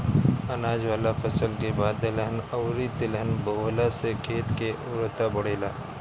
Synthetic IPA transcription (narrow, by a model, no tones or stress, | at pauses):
ɐnaːd͡ʒʋaːlafʰɐsəlkebaːd̪ːɪlɦənɐʊɾit̪ɪlənboːlasekʰeːt̪keʔʊ̰ːɾt̪abɐɽ̤eːla̰ː